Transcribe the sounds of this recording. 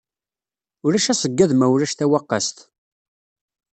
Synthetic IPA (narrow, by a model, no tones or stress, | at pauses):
ʊɾæʃæsəɡːæðmæwʊɾæʃθæwɑqːa̰st̪